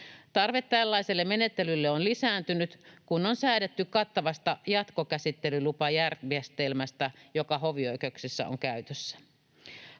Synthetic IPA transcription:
t̪ɑrʋe̞t̪ːælːæjselːemenet̪ːe̞lylːeonlisæːnt̪ynyt̪kunːonsæidet̪ːykkɑt̪ːɑʋɑst̪ɑjɑt̪kokæsit̪ːe̞lylupɑjærʋiest̪elmæst̪æjo̞kɑɦoʋiojkeksisːæ̰o̰ŋkæyt̪øsːæ̥

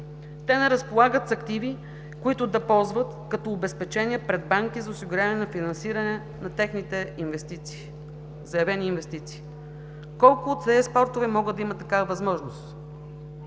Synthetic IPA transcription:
t̪ɛnɛɾɐspolˠaɡət̪sɐkt̪ivi | kʊit̪ʊd̪ɐpɔlˠzvət̪kɐt̪ɔːbɛspɛt͡ʃɛnʲiəpɾɛd̪̚baŋkizɐʊsiɡʊɾʲjavnɛnɐfinɐnsiɾɐnɛ | nɐt̪ɛxnit̪ɛinvɛst̪it̪si̥ | zɐjɐvɛniːnvɛst̪it̪si̥ː | kɔlˠkʊːt̪sɛɛspɔɾt̪ovɛmɔɡəd̪ɐimət̪ːɐkavɐvɐzmɔʒnost̪

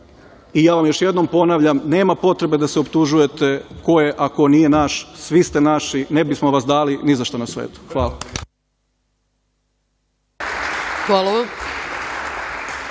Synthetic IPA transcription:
ijaːʋamjo̞ʃjed̪no̞mpo̞naʋʎamne̞ːmapo̞t̪ɾe̞bed̪aseopt̪uʒuje̞t̪e̞ko̞je̞ʔako̞nije̞naʃsʋist̪e̞naʃinebismoʋasd̪aːlinizaʃt̪onasʋḛːt̪u̥xʋaːla | xʋalˠaʋam

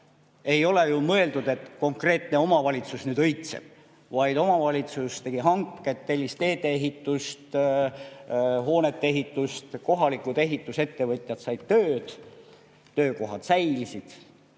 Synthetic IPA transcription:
e̞jo̞le̞jumɤe̞ld̪ud̪̥e̞t̪ko̞ŋkre̞ːt̪ne̞o̞mɑvɑlʲit̪susnyːd̪̥ɤjt̪sḛb̥̚ | vɑjd̪̥o̞mɑvɑlʲit̪sust̪e̞ɡ̥iɦɑŋkːˑe̞t̪ːelʲːist̪e̞ːd̪eeɦit̪ːˑust̪ | ɦo̞ːne̞t̪ːeeɦit̪ːˑust̪ko̞ɦɑlikud̪̥e̞ɦit̪ːˑuse̞t̪ːe̞vɤt̪ʲˑjɑt̪sɑjd̪̥t̪øːd̪̥ | t̪øːko̞ɦɑd̪̥sæjlʲsid̪̥

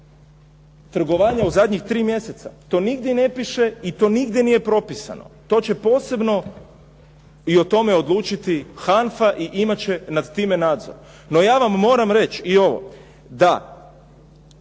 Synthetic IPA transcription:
t̪r̩ɡo̞ʋaːɲauzad̪ʲɲixt̪ɾiːmje̞se̞t̪sa̰t̪o̞ːniɡd̪jene̞piʃe̞it̪o̞ːniɡd̪jenije̞pɾo̞pisa̰no̰t̪o̞ːt͡ɕe̞po̞ːse̞bno̞ | iot̪o̞me̞od̪lˠuːt͡ʃit̪ixanfaʔiʔimat͡ɕe̞nad̪t̪iːme̞naːd̪zo̰ɾ | no̞jaːʋamːo̞ːɾamɾe̞t͡ɕio̞ʋo̞̰ | d̪a

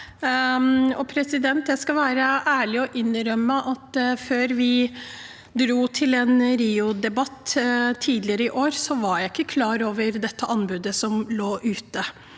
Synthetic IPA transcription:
ɔpʰɾɛsɪd̪ɛnt̪jæɪskɑlʋæːɾəʔæːɭɪɔʔɪnɾœmːəʔɑt̪føːɾʋɪ | d̪ɾuːt̪ʰɪlɛnɾiːʊd̪ɛbɑt̪ːt̪ʰiːd̪lɪəɾəɪʔoːɾsɔʋɑɾjæɪɪkːəkʰlɑːɾoːʋəɾd̪ɛt̪ːəʔɑnbʉd̪əsɔmloːʔʉːt̪ə

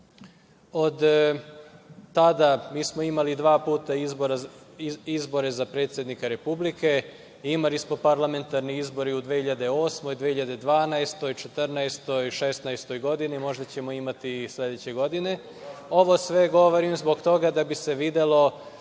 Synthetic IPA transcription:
od̪ | t̪ad̪amiːsmo̞imalid̪ʋaːpuːt̪aizboɾa | izbo̞ɾe̞zapɾe̞t̪sjed̪nikaɾe̞publike | imalismo̞paɾlˠame̞nt̪aɾniizbo̞ɾiud̪ʋehiʎad̪e̞o̞ːsmo̞jd̪ʋehiʎad̪e̞d̪ʋaːnaest̪o̞jt͡ʃe̞t̪r̩naest̪o̞jʃe̞st̪naest̪o̞jɡo̞d̪inimo̞ʒd̪at͡ɕe̞mo̞imat̪isle̞d̪et͡ɕeɡo̞d̪ine̞ | o̞ʋo̞sʋe̞ɡo̞ʋoɾimzbo̞kt̪o̞ɡad̪abise̞ʋid̪elo̞

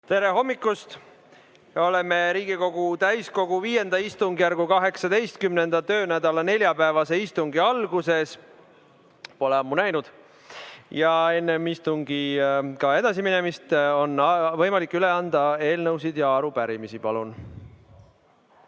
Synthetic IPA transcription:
t̪e̞ɾe̞ɦo̞mːikːˑust̪ | o̞le̞meɾiːɡ̥iko̞ɡ̥ut̪æjsko̞ɡ̥uviːje̞nd̪ɑist̪uŋɡijærɡ̥ukɑɦe̞ksɑd̪e̞jst̪̚kymne̞nd̪̥ɑt̪ø̞ːnæd̪̥ɑlɑne̞lʲjɑpævɑse̞ist̪uŋɡiɑlɡ̥use̞s | po̞leɑmːunæjnud̪̥ | jɑe̞nːemist̪uŋɡikɑe̞d̪̥ɑsimine̞mist̪o̞nːvɤ̞jmɑlikːˑyle̞ɑnd̪̥ɑe̞ːlnɤws̬id̪̥jɑɑɾupæɾimisipɑlun

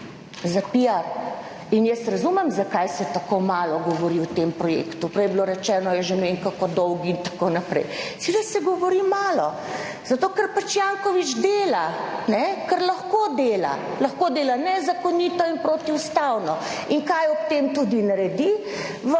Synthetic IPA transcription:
zapiaɾ | injɛsɾɐzumɛmzakajsɛt̪akomaːlɔɡɔʋɔɾiwt̪empɾɔjḛkt̪upɾɛjbloɾɛt͡ʃɛːnɔjɛʒeneŋkakɔd̪ɔwɡiint̪ḁkonapɾɛ̰jsʋed̪əsɛɡɔʋɔɾimaːlɔ | zat̪oːkəɾpat͡ʃjaŋkɔʋit͡ʃd̪eːlanɛkəɾlɐxkod̪eːla̰ | lɐxkoːd̪eːlanɛzakɔnit̪ɔinpɾoːt̪iust̪awnɔ | iŋkajɔp̚t̪emt̪ud̪inaɾɛd̪i | ʋ

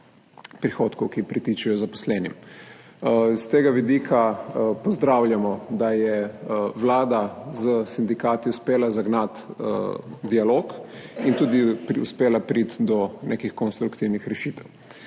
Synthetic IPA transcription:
pɾixoːt̪kɔwkipɾit̪it͡ʃɛjɔzapɔ̥slɛːnḭm | st̪eːɡaʋid̪iːkʰapɔzd̪ɾawljamɔd̪ajɛʋlaːd̪azəsind̪ikaːt̪iuspeːlazaɡnat̪ | d̪ialoːkint̪uːd̪ipɾiuspeːlapɾit̪d̪ɔnekixkɔnst̪ɾukt̪iwnixɾɛʃiːt̪ɛw

